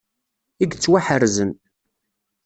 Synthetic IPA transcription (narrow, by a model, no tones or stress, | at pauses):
iɡt͡sːwaħəɾzən